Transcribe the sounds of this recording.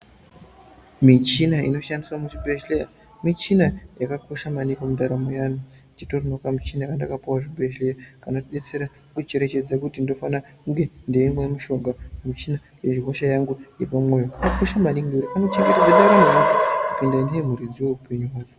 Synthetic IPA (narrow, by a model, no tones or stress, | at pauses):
mit͡ʃinaḭno̞ʃandiswamuʐibʱeʃleja | mit͡ʃinajakako̞ʃamanikomudaɾamojaːnu | t͡ʃitorinokamit͡ʃinajakandakapuwaʐibʱeʃlejakanotiɓe̞t͡se̞ɾa | kut͡ʃe̞ɾet͡ʃe̞d͡zakutindo̞fanakuŋɡe̞ndeimwemuʃo̞ɡʱaamit͡ʃina | eʐikoʃajaŋɡuje̞pamwo̞jokakako̞ʃamaniŋɡeuɾikanot͡ʃeŋɡe̞ted͡zandaɾamojakkutindaineemuɾid͡ziwe̞upe̞ɲuwaːt͡ʃo